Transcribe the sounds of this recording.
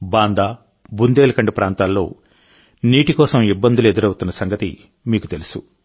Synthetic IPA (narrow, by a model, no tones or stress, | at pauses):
baːnd̪aː | bund̪eːlɐkɐɳɖipɾʔaːnt̪aːlːo̞̰ː | niːʈikɔːsɐmibːɐnd̪ulued̪uɾɐwut̪unːɐsɐŋɡɐt̪ḭ | miːkut̪e̞lusu